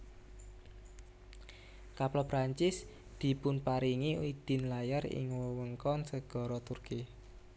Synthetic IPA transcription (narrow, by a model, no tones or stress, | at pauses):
kaplɔpɾaɲt͡ʃɪs | d̪̥i̤pʊnpaɾiŋiid̪̥ɪ̤nlajarɪ̰ŋwəwəŋkɔnsəɡ̥ɔ̤ɾɔt̪urki